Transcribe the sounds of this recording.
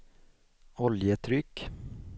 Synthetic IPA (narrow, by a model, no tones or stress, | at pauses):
ɔljət̪ʰɾʏkː